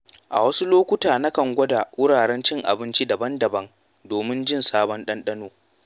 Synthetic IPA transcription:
ʔa̰˨wɐ˦su˦loː˦kʷʊ˦taː˨na˦kɐ˨ŋɡʷɐ˦daː˨wʊ˦ɽaː˨ɽɛ˦nt͡ʃɪ˦ŋʔa̰˨bɪ˦nt͡ʃi˦dɐ˨bɐ˦ndɐ˨bɐ˦ŋ | doː˨mɪ˦nd͡ʒɪ˦nsaː˦bɔ˦nɗɐ˦nɗɐ˦noː˨

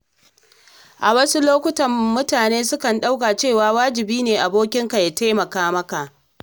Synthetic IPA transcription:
ʔa˨wɐ˦su˦loː˦kʷʊ˦tɐ˨mːʊ˦taː˨neː˦sʊ˦kɐ˨nɗa˦wka˨t͡ʃeː˦˨waː˦waː˦d͡ʒɪ˨biː˦neː˨ʔa˨boː˦kʲɪ˦ŋka˨jaː˨ta˦jmɐ˨kaː˦mɐ˦ka˨ʔ

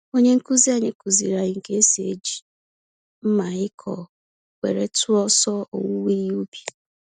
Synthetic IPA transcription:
o˦ɲe˦ŋ̩˦ku˦zi˦a˦˨ɲɪ˦ku˨zi˨ɾa˨ɪ˨ŋ̩˨ke˦e˦si˨e˦d͡ʒi˨ | m̩˦ma˨ɪ˦kʰɔ˨ | kʷḛ˨ɾe˦tʊ˦ɔ˦sɔ˦o̰˨wu˦wi˦ɾi˦u˦bi˨

